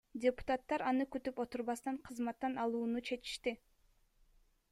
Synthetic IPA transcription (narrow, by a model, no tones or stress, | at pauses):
dʲepʊ̥t̪at̪ːɑɾɑnɯkyt̪ypo̞t̪uɾβɑst̪ɑɴqʰɯzmɑt̪ːɑnɑlˠuːnut͡ʃʰe̞t͡ʃi̥ʃt̪i